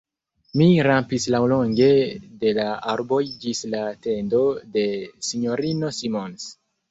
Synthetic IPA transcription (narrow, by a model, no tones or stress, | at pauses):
miɾampislawlo̞ŋɡe̞de̞laaɾbo̞jd͡ʒislate̞ndo̞de̞siɲo̞ɾino̞simo̞ns